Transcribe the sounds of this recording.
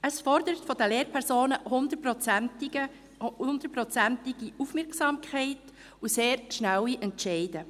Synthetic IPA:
əsfɔɾd̪əɾətfɔdəleːɾpʰɛɾsoːnəhʊnd̪əprɔt͡s | ʊnd̥̪əɾpɾɔt͡sæntɪɡ̥iʔufmɪɾksɑːmkʰχɛɪt | useːɾʃnæwiʔɛntʃɛɪd̥ə

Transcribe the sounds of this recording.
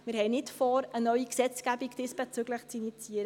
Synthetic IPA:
mɪːɾɦɛɪnɪtfɔːɾənœʏiksɛt͡sɡ̥æbiɡd̥ɪsb̥ɛt͡syɡləχt͡sinit͡siːəɾə

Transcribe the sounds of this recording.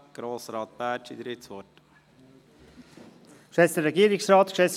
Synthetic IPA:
ɡ̥ɾoːsɾɑːt̪̚pæːt͡ʃid̪ɾɪsʋɔt | ʃʋɛst̪əɾɛɡiəɾɪksɾɑːt̪kʃɛs

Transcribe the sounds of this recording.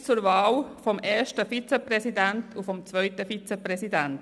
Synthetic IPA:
t͡suɾʋɑːlfɔmeːʃtəfit͡sɛprɛsidæntʰufɔmt͡sʋœʏtəfit͡sɛprɛsidænt

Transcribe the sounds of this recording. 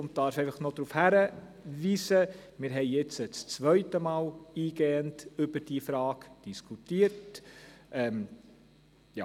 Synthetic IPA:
ʊnttɑːɾfɛɪfəχnod̥̪ɾuːfhæɾə | ʋiːsəmɪːɾɦɛɪjɛt͡sət͡st͡sʋœʏtəmɑːliːɡ̥ɛːəntʏbəd̥iəfɾɑːɡd̥iskʰutiəɾtʔɛːm | jɑ̰

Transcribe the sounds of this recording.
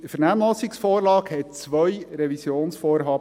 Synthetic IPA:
fɛnæːmlɔsiksfoːrlɑːkhɛt̚t͡sʋœjɾɛvisjoːnsfoːɾɦɑːb

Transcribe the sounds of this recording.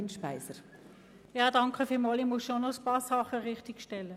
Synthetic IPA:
nʃpæɪsəɾ | jɑːdɑŋkəfɪlmɑlimusʃonɔspɑːsɑχəʁɪχtɪkʃtɛlːə

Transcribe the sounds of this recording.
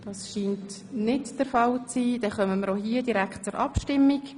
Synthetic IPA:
d̥ɑːsʃiːnt | nɪtd̥əɾfɑlt͡siːd̥ɛχœməməɾohiːədiɾækχt̚t͡sʊɾʔɑpʃtɪmːik

